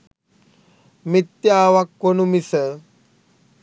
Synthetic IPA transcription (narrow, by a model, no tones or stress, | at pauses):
mit̪jaːʋakːonumisə